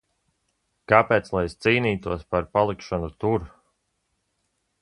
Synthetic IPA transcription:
kapɛːt̪slˠajst̪siːniːt̪uɔspaɾpalˠikʃɔnut̪uɾ

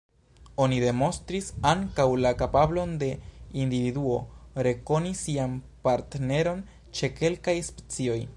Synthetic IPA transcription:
onide̞mo̞nstɾisaŋkawlakapablo̞nde̞individuo̞ɾe̞ko̞nisian | paɾtne̞ɾo̞n | t͡ʃe̞ke̞lkajspe̥t͡sio̞j

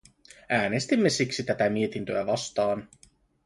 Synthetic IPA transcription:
æːne̞st̪imːe̞siksit̪æt̪æmie̞t̪int̪øæʋɑst̪ɑːn

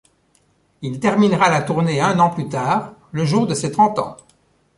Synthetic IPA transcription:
ilt̪ɛʁminʁalat̪uʁneɛ̃nɑ̃plyt̪aːʁləʒuːʁd̪əset̪χɑ̃t̪ɑ̰̃

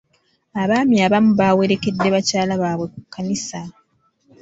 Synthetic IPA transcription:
aβaːmiaβamuβawe̞ɾe̞ke̞dːe̞βacaːlaβaːβwe̞kukʰːanisa

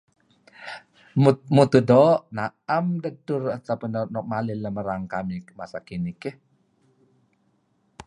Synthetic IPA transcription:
mut̪udɔʔnaamdədʊrat̪apənɔnɔʔmalɪləməɾaŋkamimasakinikeh

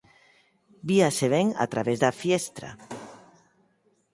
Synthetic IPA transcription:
biaseβeŋa̰t̪ɾaβezðafjest̪ɾa̰

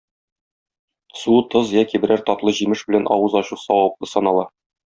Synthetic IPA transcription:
sut̪ɤzjækibɘ̆ɾæɾt̪ɒt̪lˠɤʑimɘʃbɘ̆lænʔɒ̰wɤzɒɕuqsɒwɑp̚lˠɤ̆sɒnɑlˠɑ

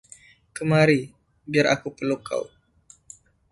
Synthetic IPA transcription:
kəmaɾi | biarʔakupəluka̰w

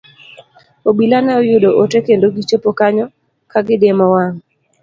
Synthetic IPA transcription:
obilanɛɔjʊdoʔotekendoɡit͡ʃopokaɲɔ | kaɡɪdemɔwaŋ

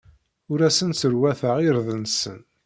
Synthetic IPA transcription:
ʊɾæsənt͡səɾwæθəʁiɾðənsə̰n

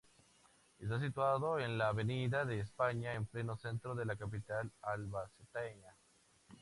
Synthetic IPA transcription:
est̪as̬it̪waðoenlaːβe̞niðaðe̞ːspaɲaemple̞no̞se̞nt̪ɾo̞ðe̞lakap̬it̪alalβaset̪eɲa

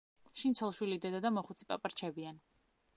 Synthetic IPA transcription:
ʃint̪sʰɔlˠʃwilid̪ɛd̪ad̪amɔχut̪sʰi̥pʼa̰pʼaɾt͡ʃʰɛbian

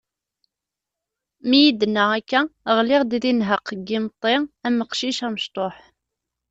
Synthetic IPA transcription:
mijid̪nəækːæʁlɪʁd̪ðinɦəqːɡːimt̪ˤːeæməqʃiʃæməʃt̪ˤoħ

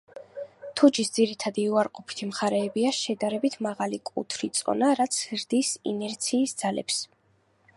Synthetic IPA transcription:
t̪ʰud͡ʒisd̪z̥iɾit̪ʰad̪iuaɾqʼɔpʰi̥t̪ʰimχaɾɛːbiaʃɛd̪aɾɛbit̪ʰmaʁalikʼṵt̪ʰɾit̪sʼɔ̰naɾat̪sʰɾd̪isḭnɛɾt̪sʰiːsd̪z̥alɛ̰ps

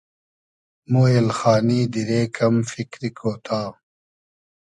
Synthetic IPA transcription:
muːelxaːniːd̪iɾeːkɐmfikɾikʰoːt̪ʰaː

